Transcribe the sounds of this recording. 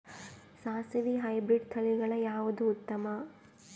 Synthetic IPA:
saːsiʋiɦɐjbɾiɖt̪ʰɐliɡɐɭɐjaːʋud̪uːt̪ːɐmɐ

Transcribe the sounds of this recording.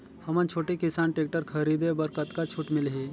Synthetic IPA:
həmãnt͡ʃʰoʈikisanʈek̚ʈəɾkʰəɾid̪ebəɾkət̪kat͡ʃʰuːʈmilɦi

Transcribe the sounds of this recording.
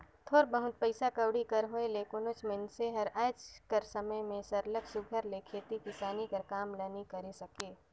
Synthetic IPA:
t̪ʰoːɾbəɦʊt̪̚pəɪsakɐwɽikɐɾɦoeleːkʊnʊt͡ʃmɪnseɦɐɾaːɪt͡ʃkəɾsɐməjmẽsɐɾləksʊɡʱəɾlekʰeːt̪ikɪsaːnikəɾkaːmlɐnikɐɾesɐkeː

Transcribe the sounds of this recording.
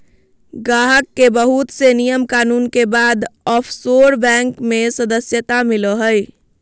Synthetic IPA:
ɡaɦəkːebəɦut̪senijəmkanunkebad̪ɔpʰsoɾbɛ̃ŋkmesəd̪əsjət̪amiləɦəj

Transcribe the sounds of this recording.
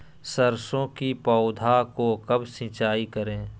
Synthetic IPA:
səɾsõkipɔʊd̪ʱakokɐbsɪ̃t͡ʃaːikəɾẽː

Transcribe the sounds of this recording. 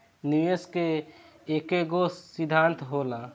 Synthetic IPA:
niʋeske | ekeɡosːid̪ʱːãnt̪ɦola

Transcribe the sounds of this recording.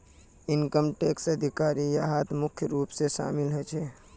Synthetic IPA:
inkəmʈeksəd̪ʱikaɾijaɦat̪mʊkʰjəɾuːpseʃa̰ːmilɦɛt͡ʃʰɛ

